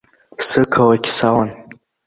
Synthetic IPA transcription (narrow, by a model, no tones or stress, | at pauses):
sɨkʰawakʲsawan